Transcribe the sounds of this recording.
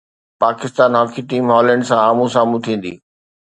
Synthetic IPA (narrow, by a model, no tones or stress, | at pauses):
paːkɪst̪aːnɦɔːkʰiʈiːmɦɔːlə̃ːɳɖsãaːmũsaːmũt̪ʰĩːn̆d̪ḭː